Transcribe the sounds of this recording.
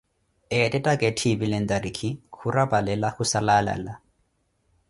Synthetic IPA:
ɛtʼɛtʼakʼetʰibilɛn̩d̪ʼadikʰikurabalɛlaxusalala̰la

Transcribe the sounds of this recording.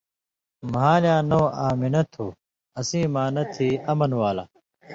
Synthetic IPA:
maːljãːnoːaːminɐt̪ʰuː | ɐsĩːmãːnɐt̪ʰiːɐmɐnwaːla̰

